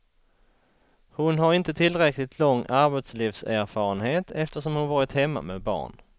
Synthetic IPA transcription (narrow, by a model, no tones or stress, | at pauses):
hʊnɦaɾɪnt̪ət̪ʰɪlɾɛklɪt̪ʰlɔŋːaɾbɛt̪sliːfsæɾfɑːɾənheːt̪ʰɛft̪əʂɔmhʊnvɑːɾɪt̪hɛmːa̰mɛbɑ̰ːɳ